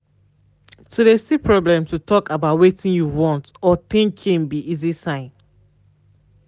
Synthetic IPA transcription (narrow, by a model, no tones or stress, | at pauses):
tʰudesipʰɹɔblɛ̃mtutʰɔkabaʊtwetĩnjuwɔ̃ntɔt̪ĩŋkʰĩŋbiʔizisãɪ̃n